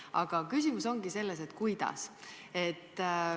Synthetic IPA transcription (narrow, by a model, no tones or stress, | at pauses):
ɑ̰ɡ̥ɑkysʲimuso̞ŋɡise̞lːese̞t̪ːˑkujd̪̥ɑ̰se̞t̪ː